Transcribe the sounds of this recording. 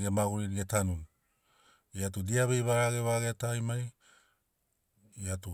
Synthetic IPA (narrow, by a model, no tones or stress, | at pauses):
ɡemaɡuɾiɾiɡe̞tanun | iatudiaβejβaɾaɡe̞βaɡeatajmaj | iatu